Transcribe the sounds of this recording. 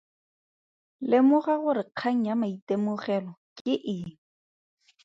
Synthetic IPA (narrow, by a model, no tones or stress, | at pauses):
lɪmʊɣaɣʊɾɪq͡χʰaŋ̩jamaitemʊχɛlɔkʼɪʔɪŋ̩